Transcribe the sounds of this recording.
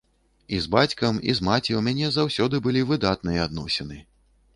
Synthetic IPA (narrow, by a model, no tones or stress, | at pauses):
izbat͡sʲkɐmḭzmat͡sʲiwmʲanʲɛzawsʲɔd̪ɨbɨlʲivɨd̪at̪̚nɨjɐad̪nɔsʲɛnɨ